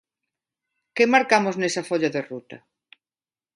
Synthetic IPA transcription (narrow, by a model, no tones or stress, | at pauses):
kemaɾkamoznesɐfoʎaðerut̪ɐ